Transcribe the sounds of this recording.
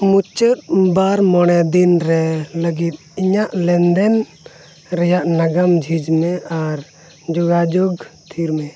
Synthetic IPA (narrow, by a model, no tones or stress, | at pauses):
mut͡ʃət̪̚baɾmɔɽ̃ɛd̪inɾɛləɡit̪̚ˀiɲaʔlɛnd̪ɛn | ɾɛjaʔnaɡamd͡ʒʱid͡ʒmɛaɾ | d͡ʒɔɡad͡ʒoɡt̪ʰiɾmɛ